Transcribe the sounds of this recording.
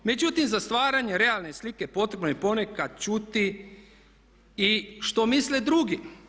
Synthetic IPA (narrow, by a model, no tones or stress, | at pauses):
me̞d͡ʒut̪imzast̪ʋaːɾaɲe̞ɾe̞alˠne̞slike̞po̞t̪ɾe̞bnojepo̞ne̞kad̪̥̚t͡ʃut̪i | iʃt̪o̞misled̪ɾuɡi